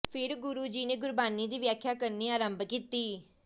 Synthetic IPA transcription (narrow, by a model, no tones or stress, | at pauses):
pʰɪɾɡʊɾuːd͡ʒiːnẽːɡʊɾbaːniːd̪iːʋjaːkʰːjaːkəɾniːaːɾəmbkiːt̪iː